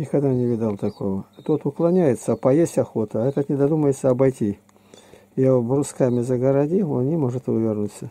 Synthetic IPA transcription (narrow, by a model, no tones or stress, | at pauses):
nʲɪkɐɡd̪anʲɪvʲɪd̪alˠt̪ɐko̞vət̪ot̪ʊklˠɐnʲæjɪt̪səpɐjesʲtʲɐxo̞t̪əɐɛt̪ət̪nʲɪd̪ɐd̪uməjɪt̪səɐbɐjtʲi | jabrʊskamʲɪzəɡəɾɐdʲionnʲɪmo̞ʐɨt̪ɨvovʲɪrnut̪sə